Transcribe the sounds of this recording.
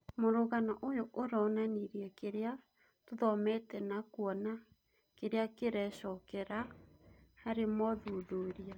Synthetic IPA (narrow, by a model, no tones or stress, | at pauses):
moɾoɣanaʔojoʔoɾɔnaneɾiɛkeɾea | toðɔmɛtɛnakwɔna | keɾeakeɾɛɕɔkɛɾa | haɾemɔðoðoːɾia